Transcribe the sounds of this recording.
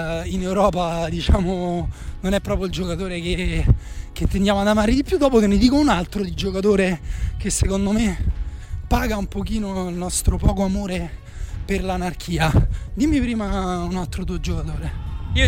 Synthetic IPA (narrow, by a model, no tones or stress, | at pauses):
inewɾɔːpad̪it͡ʃaːmononɛpːɾɔːpjoild͡ʒokat̪oːɾeke | k̟et̪ːend̪jaːmoad̪amaːɾed̪ipjud̪ːɔːpokenːed̪iːkounalt̪ɾod̪id͡ʒokat̪oːɾekesːekond̪ome | pːaːɡaumpok̟iːnoilnɔst̪ɾopɔːkoamoːɾe | perlanarkʰiːad̪imːipɾiːmaunalt̪ɾot̪uːod͡ʒokat̪oːɾe